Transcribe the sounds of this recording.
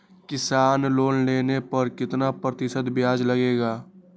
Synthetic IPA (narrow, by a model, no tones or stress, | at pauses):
kɪsaːnloːnleːnepɐɾkɪt̪napɾət̪ɪsəd̪bjaːd͡ʒlɐɡeːɡaː